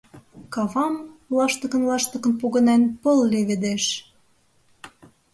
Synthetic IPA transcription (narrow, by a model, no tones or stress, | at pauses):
kɑβɑmlɑʃt̪ə̆kə̆nlɑʃt̪ə̆kə̆npoɣə̆nenpɤlːeβed̪eʃ